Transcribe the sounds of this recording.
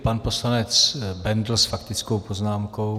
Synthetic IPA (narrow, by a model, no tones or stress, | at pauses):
panposlanɛt͡sbɛnd̪l̩sfakt̪ɪt͡skowpo̞znaːmko̞w